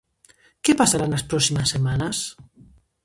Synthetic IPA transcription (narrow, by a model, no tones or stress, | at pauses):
kepasaɾanaspɾɔsimasːemanas